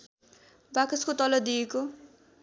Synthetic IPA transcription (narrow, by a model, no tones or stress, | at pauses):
bakʌskot̪ʌlʌd̪ijeko